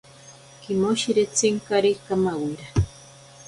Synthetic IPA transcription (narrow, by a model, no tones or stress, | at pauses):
kimoʃiɾet͡seŋkaɾikamawiɾa